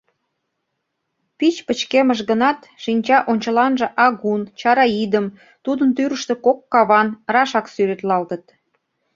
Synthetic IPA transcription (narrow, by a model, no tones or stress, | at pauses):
pit͡ɕpət͡ɕkeməʃ̬ɣənɑt̪ʃinʲt͡ɕɑʔonʲt͡ɕəlɑnʒĕʔɑɣunt͡ɕɑɾɑid̪əm | t̪ud̪ənt̪yɾəʃt̪ĕkokːɑβɑnrɑʃɑksyɾet̪lɑlt̪ət̪̚